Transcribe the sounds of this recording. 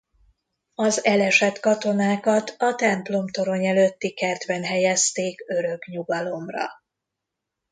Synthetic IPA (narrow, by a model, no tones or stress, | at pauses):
ɒzɛlɛʃɛt̪kɒt̪o̞naːkɒt̪ɒt̪ɛmplo̞mt̪o̞ɾo̞ɲɛløt̪ːikɛrd̪vɛnɦɛjɛst̪eːkø̞ɾø̞kɲuɡɒlo̞mrɒ̰